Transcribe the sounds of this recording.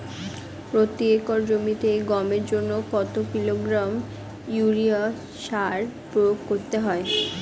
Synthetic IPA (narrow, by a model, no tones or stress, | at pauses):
pɾot̪iekoɾd͡ʑomit̪eɡɔmeɾd͡ʑonːokɔt̪okiloɡɾam | juɾia | ʃaɾpɾojoɡkoɾt̪eɦɔe